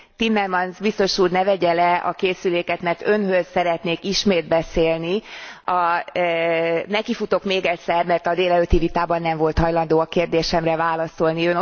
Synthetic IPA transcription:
t̪imːɛrmɒnzbist̪o̞ʃuːrnɛvɛɟɛlɛɒ̰keːsyleːkɛt̪mɛrt̪ønɦøzsɛɾɛt̪neːkiʃmeːd̪̚bɛseːlniɒ | nɛkifut̪o̞kmeːɡɛc̪ʲsɛrmɛrt̪ɒd̪eːlɛløːt̪ivit̪aːbɒnːɛɱvo̞lt̪hɒjlɒnd̪oːɒkeːrd̪eːʃɛmrɛvaːlɒso̞lniøn

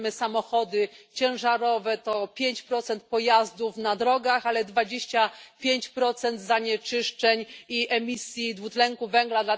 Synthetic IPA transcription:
mɘsamɔxɔd̪ɘt͡ɕɛ̃ʐaɾɔvɛt̪ɔpʲjeɲt͡ɕpɾɔt̪sɛnt̪̚pɔjazd̪ufnad̪ɾɔɡaxalɛd̪vad͡ʑeɕt͡ɕapʲjeɲt͡ɕpɾɔt̪sɛnd̪zaɲɛt͡ʂɘʂt͡ʂɛɲiɛmʲisʲjid̪vut̪lɛŋkuvɛŋɡlad̪la

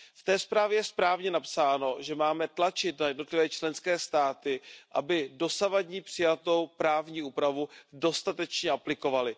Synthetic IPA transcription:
ft̪ɛːspɾaːvjɛjɛspɾaːvɲɛnapsaːno̞ʒɛmaːmɛt̪lat͡ʃɪt̪najɛdno̞t̪lɪvɛːt͡ʃlɛnskɛːst̪aːt̪ɪʔabɪdo̞savadɲiːpr̥ɪjat̪o̞wpɾaːvɲiːʔuːpɾavudo̞st̪at̪ɛt͡ʃɲɛʔaplɪko̞valɪ

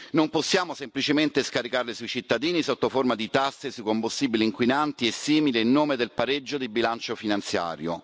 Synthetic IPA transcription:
nomposːjaːmosemplit͡ʃement̪eskaɾikarlesuit͡ʃit̪ːad̪iːnisot̪ːoformad̪it̪asːesukombust̪iːbiliːŋkwinant̪iesːiːmileinːoːmed̪elpaɾed͡ʒːod̪ibilant͡ʃofinant̪sja̰ːɾjo̰

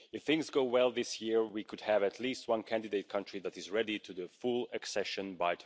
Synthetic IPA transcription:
ɨfθɪ̃ŋzɡoʊwɛlˠðɪsjɪɹwikʰɨd̚ɨvɨtʰˡlist̚wʌ̃nkʰæ̃ndɨdeɪt̚kʰʌ̃ntɹ̥iðæɾɨzɹɛɾitʰɨðɨfulˠɨksɛʃɨ̃nbaɪtʰ

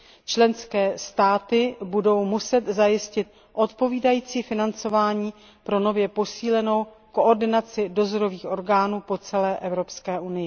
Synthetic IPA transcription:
t͡ʃlɛnskɛːst̪aːt̪ɪbudo̞wmusɛt̪zajɪscɪt̪̚ | ʔo̞t̪po̞viːdajiːt͡siːfɪnant͡so̞vaːɲiː | pɾo̞no̞vjɛpo̞siːlɛno̞w | ko̞ʔoɾdɪnat͡sɪdo̞zo̞ɾo̞viːxʔo̞ɾɡaːnuːpo̞t͡sɛlɛːʔɛvɾo̞pskɛːʔunɪjɪ

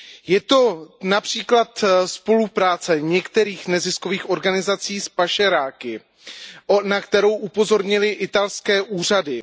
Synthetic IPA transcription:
jɛt̪o̞napr̝̥iːklat̪spo̞lupɾaːt͡sɛɲɛkt̪ɛɾiːxnɛzɪsko̞viːxʔo̞ɾɡanɪzat͡siːspaʃɛɾaːkɪ | nakt̪ɛɾo̞wʔupo̞zo̞ɾɲɪlɪʔɪt̪alskɛːʔuːr̝adɪ

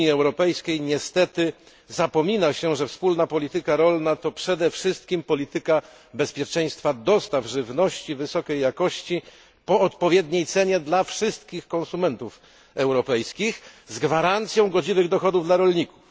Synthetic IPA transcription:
iɛwɾɔpɛjskʲejɲɛst̪ɛt̪ɘ | zapɔmʲinaɕɛʐɛfspulnapɔlʲit̪ɘkaɾɔlnat̪ɔpʂɛd̪ɛfʂɘst̪kʲimpɔlʲit̪ɘka | bɛspʲjɛt͡ʂɛj̃st̪fad̪ɔst̪avʐɘvnɔɕt͡ɕivɘsɔkʲɛjːakɔɕt͡ɕi | pɔːt̪pɔvʲjɛd̪ɲejt̪sɛɲɛd̪lafʂɘst̪̚kʲixkɔ̃nsumɛnt̪uf | ɛwɾɔpɛjskʲixzɡvaɾant̪sʲjɔ̃w̃ɡɔd͡ʑivɘɣd̪ɔxɔd̪uvd̪laɾɔlɲiku̥f

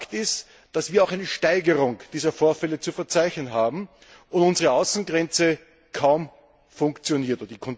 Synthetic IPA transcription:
ktɪst | d̥asv̥iːɐaʊxæɪnəʃtaɪɡəʁʊŋd̥iːzɐfoːɐfɛlət͡sufɛɐt͡sæɪçnənɦaːbm̩ | ʔʊntʊnzəʁəaʊsn̩ɡʁɛnt͡sə | kʰaʊm | fʊŋkt͡sjoniːɐtodədikʰɔn

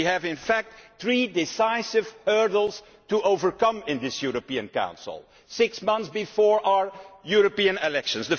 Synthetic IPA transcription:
iɨvɪ̃nfæk̚tθɹidɪsaɪsɪv̥hɜ˞dl̩ˠz̥ | təʔoʊvə˞kʌ̃mɪ̃nðɪsjuɹəpiɨ̃nkã̰ʊ̃nsl̩ˠ | sɪksmʌ̃nθsbɨfɔːɹʔaʊə˞juɹəpiɨ̃nɪlɛkʃɨ̃nsðə

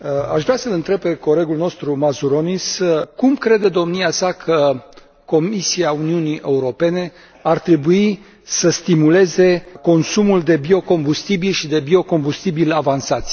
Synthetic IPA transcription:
aʃvɾasəlɨnt̪ɾe̞b̚pe̞ko̞le̞ɡulno̞st̪ɾumazuɾo̞niskumkɾe̞d̪e̞d̪o̞mniasakʰə | ko̞misiauniuniʔe̞uɾo̞pe̞ne̞ | art̪ɾe̞bui | səst̪imule̞ze̞ko̞nsumuld̪e̞bio̞ko̞mbust̪ibilʃid̪e̞bio̞ko̞mbust̪ibilavansat̪sʲ

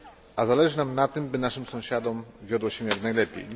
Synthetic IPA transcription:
ʔazalɛʐɘnamnat̪ɘmbɘnaʂɘmsɔ̃w̃ɕad̪ɔmvʲjɔd̪wɔɕɛ̃jaknajlɛpʲḛj

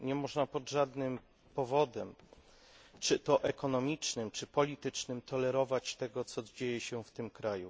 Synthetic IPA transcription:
ɲɛmɔʐnapɔd̪ʐad̪nɘm | pɔvɔd̪ɛm | t͡ʂɘt̪ɔʔɛkɔnɔmʲit͡ʂnɘmt͡ʂɘpɔlʲit̪ɘt͡ʂnɘmt̪ɔlɛɾɔvat͡ɕt̪ɛɡɔt̪sɔd͡ʑejɛɕɛft̪ɘmkɾajṵ

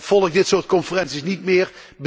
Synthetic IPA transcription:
fɔlˠəkdɪtsoːrt̚kɔnfərɛnsisnitmɪːr | bə

